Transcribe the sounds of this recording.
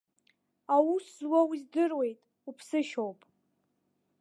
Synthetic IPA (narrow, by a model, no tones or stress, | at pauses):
awuswawizdɨrwe̞jtʼ | upʰsɨʃowpʼ